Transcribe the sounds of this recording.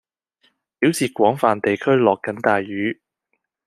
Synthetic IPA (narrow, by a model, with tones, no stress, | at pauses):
piː˨˥wsiː˨˩kʷɔː˨˥ŋfaː˨nt̪e˨jkʰɵ˥ɥlɔː˨kːɐ˨˥nt̪aː˨jːyː˨˥